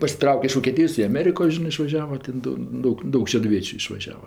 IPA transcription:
pɐsʲɪˈtrɐʊkʲɛ ɪʃ ʋoːkʲeːˈtʲɪjoːs ɪ ɐˈmʲæːrʲɪkoː ˈʒʲɪnɜ ɪʃʋɐˈʒʲæːʋɐ ˈtʲeːn doː ˈdɐʊk ˈdɐʊk ʃʲɛdʊˈʋʲiɛt͡ʃʲʊ ɪʃʋɐˈʒʲæːʋɐ

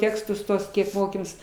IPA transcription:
ˈtʲæːkstʊs ˈtuɔs ˈkʲiɛk ˈmoːkʲeːmʲeːs

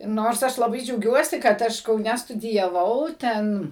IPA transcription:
ˈnoːrs ˈɐʃ lˠɐˈbɐɪ d͡ʒʲɛʊˈɡʲuɔsʲɪ kɐt ˈɐʃ kɐʊˈnʲɛ stʊdʲɪjɛˈʋɐʊ ˈtʲɛn

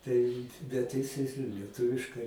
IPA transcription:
tɐɪ bʲɛt ˈjɪs ˈjɪs ɪ lʲiɛˈtʊʋʲɪʃkɐɪ

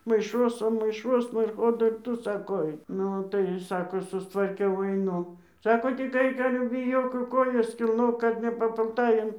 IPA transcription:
mɐɪˈʃuɔsɐn mɐɪˈʃuɔsnɐ ɪr ˈkoː dɐr ˈtʊ ˈsɑːkoː ˈɐɪk ˈnʊ tɐɪ ˈsɑːkoː sʊstʋɐrʲˈkʲɛʊ ɐɪˈnʊ ˈsɑːkoː tʲɪk ˈɐɪk ˈɑːlʲɛ bʲɪˈjoːk jɛʊ ˈkoːjɛs kʲɪlˠˈnoːk ˈkɐt nʲɛpɐpʊlˠˈtɐɪ ɐn

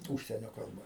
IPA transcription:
ˈuːʃʲsʲiɛnʲoː kɐlˠˈbɐ

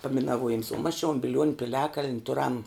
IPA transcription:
pɐmʲɪnɐˈʋuɔjɪms oː mɐs t͡ʃʲɛ oːn bʲɪˈlʲuɔnʲʊ pʲɪˈlʲæːkɐlʲnʲ ˈtʊrɐm

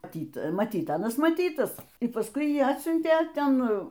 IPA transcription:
mɐˈtʲiːt mɐˈtʲiːt ˈɑːnɐs mɐˈtʲiːtɐs ɪ pɐsˈkʊɪ ˈjiː ˈɑːtʲsʲʊnʲtʲeː ˈtʲɛn

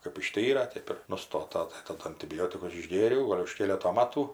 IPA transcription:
kɜp ɪʃʲˈtʲiːrɐ ˈtʲeːp ɪr nʊˈstoːtɐ tɐɪ tɐˈdʊ ɐnʲtʲɪˈbʲoːtʲɪkʊs ɪʒʲˈɡʲeːrʲɛʊ ˈɡoːlʲ ʊʃ ˈkʲeːlʲɛtoː ˈmɑːtuː

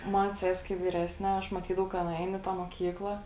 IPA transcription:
ˈmɐn ˈsʲɛsʲ kɐɪ ʋʲiːˈrʲæːsʲnʲɛ ˈɐʃ mɐˈtʲiːdɐʋɐʊ kɐ ˈɑːnɐ ɛɪn ɪ ˈtɑː moːˈkʲiːklˠɐ

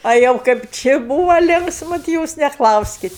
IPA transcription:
ɐ ˈjɛʊ kɐɪp ˈt͡ʃʲɪ ˈbuːʋɐ ˈlʲɪŋksmʊ tʲɪ ˈjuːs nʲɛˈklˠɐʊsʲkʲɪt

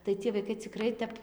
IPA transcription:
tɐɪ ˈt͡sʲiɛ ʋɐɪˈkɐɪ t͡sʲɪˈkrɐɪ tʲɛp

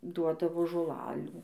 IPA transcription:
ˈduɔdɐʋoː ʒoːˈlˠɑːlʲuː

